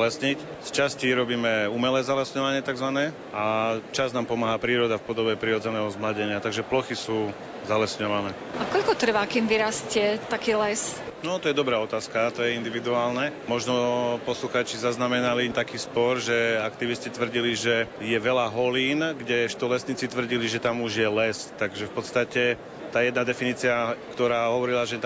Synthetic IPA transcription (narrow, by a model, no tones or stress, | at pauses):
lɛsɲic | st͡ʃasciɾɔbiːmɛumɛlɛːzalɛsɲɔʋaɲɪɛt̪aɡzʋanɛː | at͡ʃaznaːmpɔmaːɦapɾiːɾɔd̪afpɔd̪ɔbɛpɾiɾɔd͡zɛnɛːɦɔzmlaɟɛɲɪat̪aɡʒɛplɔxisuː | zalɛsɲɔʋanɛːakɔʎkɔt̪r̩ʋakimʋiɾascɪɛt̪akiːlɛsnɔt̪ɔjɛd̪ɔbɾaːɔt̪aːskaat̪ɔjɛind̪iʋid̪uaːlnɛmɔʒnɔpɔsluxaːt͡ʃizaznamɛnalit̪akiːspɔɾʒɛakt̪iʋiscit̪ʋr̩ɟiliʒɛjɛʋɛlaɦɔliːnɡɟɛʃt̪ɔlɛsɲiːt͡sit̪ʋr̩ɟiliʒɛt̪amuʒjɛlɛst̪aɡʒɛfpɔt̪st̪acɛ | t̪aːjɛd̪nad̪ɛfiniːt͡siakt̪ɔɾaːɦɔʋɔɾilaʒɛ